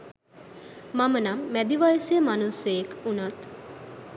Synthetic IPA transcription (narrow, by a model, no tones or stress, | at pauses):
mamənamːæd̪iʋajsjəmanusəjekunat̪